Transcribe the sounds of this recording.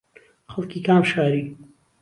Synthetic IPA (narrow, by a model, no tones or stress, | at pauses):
xɐlˠkiːkaːmʃaːɾiː